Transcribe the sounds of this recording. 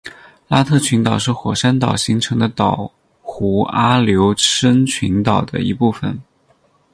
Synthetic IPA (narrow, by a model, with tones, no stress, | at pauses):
la˥t̪ʰɤ˥˩t͡ɕʰy˧˥nt̪ɑ˨˩ʊʂɻ̩˥˩xwɔ˨˩ʂa˥nt̪ɑ˨˩ʊɕi˧˥ŋʈ͡ʂʰɤ˧˥ŋd̪ə˧t̪ɑ˨˩ʊ | xu˧˥a˥ljo˧˥ʊə˥nt͡ɕʰi˧˥nt̪ɑ˨˩ʊd̪ə̰˦i˧˥pu˥˩fə̰˨˩n